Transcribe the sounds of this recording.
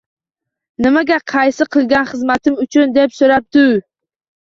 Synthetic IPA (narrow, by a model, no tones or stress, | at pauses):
nɪmaɡʲaqʰɑjsɪqʰɨlˠɡʲanχɨzmat̪ʰɪmʊt͡ʃʰʊnd̪e̞psoɾap̚d̪ʊ